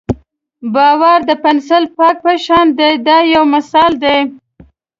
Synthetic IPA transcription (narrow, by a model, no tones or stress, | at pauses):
bɑwaɾd̪əpansəlpɑk̚pəʃɑnd̪ed̪ɑjawmasɑld̪e